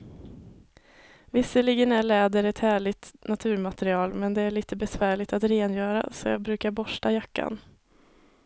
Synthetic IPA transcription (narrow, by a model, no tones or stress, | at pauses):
vɪsːəɭɪɡənæɭɛːd̪əɾɛt̪hæːɭɪt̪nat̪ʰʉ̟ːɾmat̪ɛɾɪɑːlmɛnd̪ɛæɭiːt̪əbɛsvæːɭɪt̪at̪ɾeːnjœːɾa̰sɔjɑ̰ːɡbɾʉ̟ːkaɾbɔʂʈajakːa̰n